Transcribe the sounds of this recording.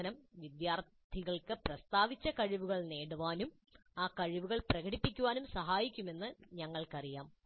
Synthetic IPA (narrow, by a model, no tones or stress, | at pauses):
ɐnɐmʋid̪jaːr | t̪ʰiɣɐɭkɨprɐst̪aːʋit͡ɕːɐkɐɻiʋuɣɐɭne̞ːɽuʋaːnum | aːkɐɻiʋuɣɐɭprɐɣɐɽipːikʲːuʋaːnumsɐɦaːjikʲːume̞nːɨɲɐŋːɐɭkɐrijaːm